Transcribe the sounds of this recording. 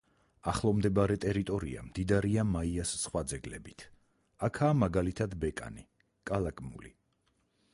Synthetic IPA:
aχlˠɔmd̪ɛbaɾɛt̪ʼɛɾit̪ʼɔɾḭa̰md̪id̪aɾiamaiasːχwad̪zɛɡlɛbit̪ʰ | akʰaːmaɡalit̪ʰad̪bɛkʼa̰ni | kʼalˠakʼmṵli

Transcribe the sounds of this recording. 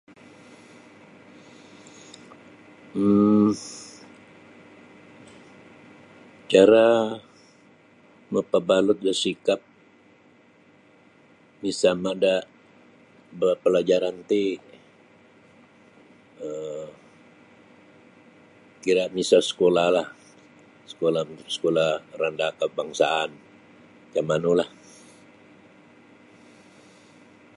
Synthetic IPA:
t͡ʃaɾa | məpəbalʊt̪̚d͡ʒasikap̚ | misamadaʔ | bəpəlad͡ʒaɾant̪i | ə | kiɾaʔmisasə̥kolahlah | sə̥kolasə̥kolarandakəbaŋsa̰an | kamanulah

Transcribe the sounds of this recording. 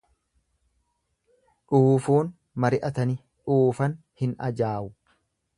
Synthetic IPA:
ᶑuːfuːn | mɐɾɪʔɐt̪ɐnɪ | ᶑuːfɐn | hɪnɐ̰d͡ʒaːʔʊ

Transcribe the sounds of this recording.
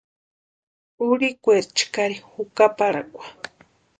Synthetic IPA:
uɾikʷeɾt͡ʃkaɾihukapaɾakʷḁ

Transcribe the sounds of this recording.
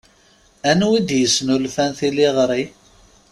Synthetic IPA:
ænwid̪jəsnulfænθiliʁɾˤi

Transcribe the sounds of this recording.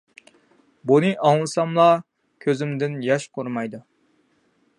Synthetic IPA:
bunɨʔɑŋlˠɨsɑmlˠɑ | kʲʰøzɪmd̪ɪnjɑʃqʰʊɾmɑjd̪u

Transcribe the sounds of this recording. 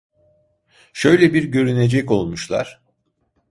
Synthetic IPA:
ʃø̞jlʲɛbiɾɟø̞ɾyned͡ʒɛco̞lˠmuʃlˠa̰ɾ̥

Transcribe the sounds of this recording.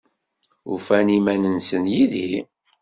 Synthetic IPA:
ṵfænimænənsənjiði

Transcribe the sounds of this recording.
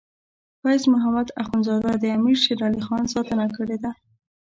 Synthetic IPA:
fajsmʊɦamad̪axunzɑd̪ad̪əamiɾʃeɾɑlixɑnsɑt̪ənakəɽed̪a

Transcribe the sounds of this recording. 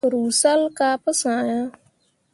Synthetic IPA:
ɾuːsalkaːpəsãːjãː

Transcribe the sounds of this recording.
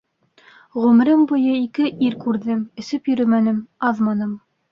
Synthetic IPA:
ʁʉm̆ɾɘmbŭjɤikɘʔiɾkʉɾðɘmɵ̆sɘpjɵ̆ɾɵmænɘmɑðmɑnɤm

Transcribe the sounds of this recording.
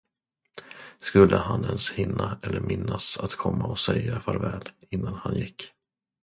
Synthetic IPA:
skɵlːʔəhanɛnshɪnːaɛlːəɾmɪnːasat̪kʰɔmːaɔsɛjafœɾvɛːlɪnːanhanjɪkː

